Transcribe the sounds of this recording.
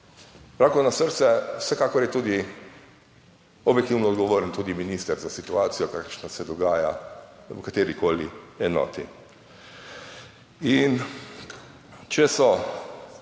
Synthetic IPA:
pɾakɔnasəɾt̪sɛwsɛkaːkɔɾjɛt̪uːd̪i | ɔbjɛkt̪iwnɔd̪ɡɔʋoːɾənt̪uːd̪iminiːst̪əɾzasit̪uaːt̪sijɔkaːkəɾʃnasɛd̪ɔɡaːja̰wkat̪eːɾikoːliɛnɔ̰ːt̪i | in | t͡ʃɛsɔ

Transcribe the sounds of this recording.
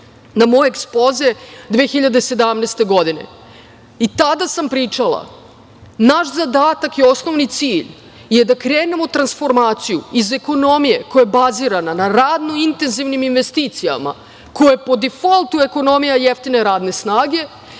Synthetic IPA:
namo̞jeekspozed̪vʋeːxiʎad̪esed̪amneːst̪e̞ɡo̞d̪ine̞̰ | it̪ad̪asampɾiːt͡ʂalˠa̰ | naʃzad̪aːt̪akio̞sno̞ʋnit̪siːʎ | jed̪akɾeːne̞mo̞t̪ɾansfo̞ɾmaːt̪sijṵize̞ko̞no̞mije̞ko̞jajebaziɾananaɾaːd̪no̞int̪e̞nziʋniminʋe̞st̪iːt̪sija̰ma̰ | kojepo̞d̪ifolˠt̪ue̞kono̞mijajeft̪ine̞ɾaːd̪ne̞snaːɡe̞

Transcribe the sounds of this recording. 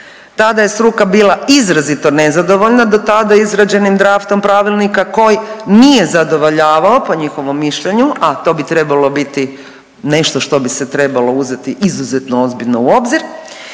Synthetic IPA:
t̪ad̪aje̞sɾukabiːlˠaizɾazit̪o̞nezad̪o̞ʋo̞ʎnad̪o̞t̪ad̪aizɾad͡ʒe̞nimd̪ɾaːft̪o̞mpɾaʋilˠnikako̞jnije̞zad̪o̞ʋo̞ʎaːʋaopo̞ɲixo̞ʋo̞mːiʃʎe̞ɲuʔat̪o̞ːbit̪ɾe̞balo̞bit̪i | ne̞ʃt̪o̞ʃt̪o̞biset̪ɾe̞balouze̞t̪iʔizuzet̪noozbiʎnouo̞bziɾ

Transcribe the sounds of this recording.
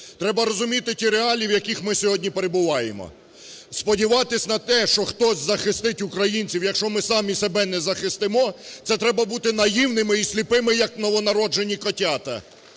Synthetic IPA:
t̪ɾɛbɐɾɔzʊmʲit̪ɪtʲiɾeɑlʲiwjɐkʲixmɪsʲɔɦɔdʲnʲipe̞ɾe̞bʊʋɑjḛmɔ̰ | spɔdʲiʋɑt̪ɪsʲnɐt̪ɛʃt͡ʃɔxt̪ɔsʲzɐxɪst̪ɪtʲukɾɐjinʲt͡sʲiwjɐkʃɔmɪsɑmʲisebɛnɛzɐxɪst̪ɪmɔt̪sɛt̪ɾɛbɐbut̪ɪnɐjiwnɪmɪisʲlʲipɪmɪjɐknɔʋɔnɐɾɔd͡ʒe̞nʲikɔtʲɑt̪ɐ̰

